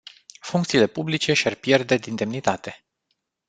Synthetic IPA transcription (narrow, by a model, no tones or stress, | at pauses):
fuŋk̚t̪siːle̞publit͡ʃe̞ʃiarpje̞rd̪e̞d̪ind̪e̞mnit̪at̪e̞